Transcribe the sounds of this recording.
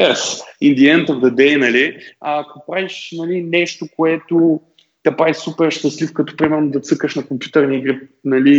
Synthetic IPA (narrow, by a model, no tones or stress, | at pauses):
ɛɾsind̪ʲiɛnt̪əvd̪ɐd̪ɛjnɐliakopɾaviʃnɐlinɛʃt̪okoɛt̪o | t̪ɛpɾavisupɛɾʃt̪ɐslifkɐt̪ɔ̥pɾimɛɾnʊd̪ɐt̪sɤkəʃnɐkompju̥t̪əɾniiɡɾɛp̚nɐli